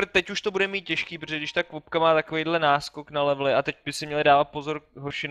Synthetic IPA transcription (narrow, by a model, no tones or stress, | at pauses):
t̪ɛcuʃt̪o̞budɛmiːt̪̚cɛʃkiːpɾoʒɛɡdɪʃt̪akvop̚kamaːt̪akovejdlɛnaːskoknalɛvlɪʔat̪ɛc̚bɪsɪmɲɛlɪdaːvat̪̚po̞zo̞ɾɦoɾʃɪn